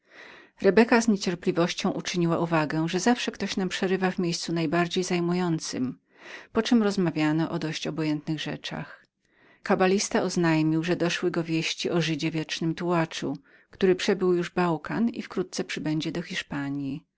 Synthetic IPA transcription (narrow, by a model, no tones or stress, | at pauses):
ɾɛbɛkazɲet͡ɕɛɾplʲivɔɕt͡ɕɔ̃w̃ʔut͡ʂɘɲiwaʔuvaɡɛ̃ʐɛzafʂɛkt̪ɔɕnampʂɛɾɘvavmʲjejst̪sunajbaɾd͡ʑejzajmujɔnt̪sɘ̰m | pɔt͡ʂɘmɾɔzmavʲjanɔʔɔd̪ɔɕt͡ɕɔbɔjɛnt̪nɘɣʐɛ̰t͡ʂa̰x | kabalʲist̪aɔznajmʲiwʐɛd̪ɔʂwɘɡɔvʲjeɕt͡ɕiʔɔʐɘd͡ʑɛvʲjɛt͡ʂnɘmt̪uwat͡ʂṵ | kt̪uɾɘpʂɛbɘwjuʐbawkanḭfkɾut̪̚t̪sɛpʂɘbɛɲd͡ʑɛd̪ɔxʲiʂpaɲji